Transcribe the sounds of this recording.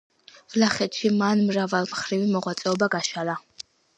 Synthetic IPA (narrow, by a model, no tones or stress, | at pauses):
vlaχɛt̪ʃimanmɾavalˠmχɾivimɔʁwat̪sʼɛɔbaɡaʃala